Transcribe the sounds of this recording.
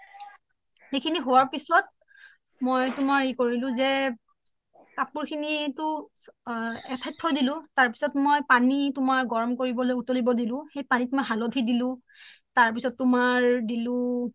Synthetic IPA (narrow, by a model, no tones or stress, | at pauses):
xejkʰiniɦowaɹpisɔt̚ | mojtʊmaɹikoɹilʊ̃zɛ | tapuɹkʰinitʊ | ɛtʰɛtʰːɔdilʊ̃taɹpi̥sɔtmojpanitʊmaɹɡɔɹɔmkoɹibɔlojutolibɔdilʊ̃xejpanitʊmaɦalodʰʱidilʊ̃ | taɹpisɔtːʊmaɹdilʊ̃